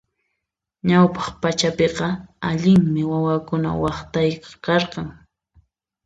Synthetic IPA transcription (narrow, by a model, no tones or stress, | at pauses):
ɲawpɑ̥χpat͡ʃapeqɑaʎɪŋmɪwawakʊna̰wɑχt̪ajqɑ̥kɑɾqɑŋ